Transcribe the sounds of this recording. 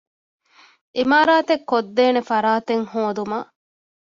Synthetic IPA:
ʔimaːɾaːt̪ekːod̪ːeːnefɐɾaːt̪eŋhoːd̪umɐ

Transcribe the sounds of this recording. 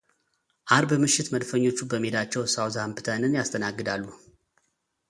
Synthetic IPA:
ʔaɾbɨmɨʃɪt̪məd̪fəɲːo̞t͡ʃːubəmed̪at͡ʃːɛwsawzambɨt̪ʰənɨnjast̪ʰənaɡːɨd̪alːu

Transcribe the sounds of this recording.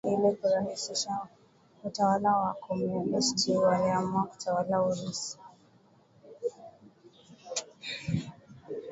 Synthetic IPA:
ilikuɾahisiʃa | utawalawakɔmɛmistʰiwaɾamaku̥tʰawalaulisi̥

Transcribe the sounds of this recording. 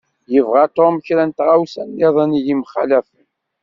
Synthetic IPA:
jəvʁat̪ˤomçɾænt̪ʁawsænːeðˤænijimχa̰læfən

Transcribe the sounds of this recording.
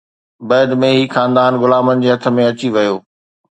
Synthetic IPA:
bɐːd̪mẽɦiːxaːnd̪aːnɣʊlaːmənɪ̆d͡ʑeːɦɐt̪ʰə̆mẽɐt͡ɕiʋɐjoː

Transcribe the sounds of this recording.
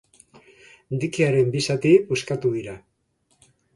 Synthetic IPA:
d̪ikiaɾe̞mbisat̪ipuskat̪uðiɾa

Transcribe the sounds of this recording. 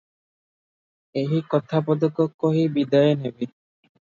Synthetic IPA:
eɦikɔt̪ʰapɔd̪ɔkːɔkːoɦibid̪ajenebi

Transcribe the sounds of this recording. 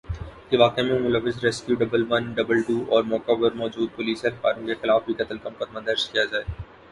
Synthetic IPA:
keʋaːqemẽmʊlɐʋɪzɾɛskjuːɖɐbəlʋɐnɖɐbəlʈuːʔɔːɾmɔːkabɐɾmɔːd͡ʒuːd̪̚pʊliːsɐɾkaːɾũkexɪlaːfbʱikɐt̪əlkɐmʊkɐd̪mad̪ɐɾzkijad͡ʒaːeː

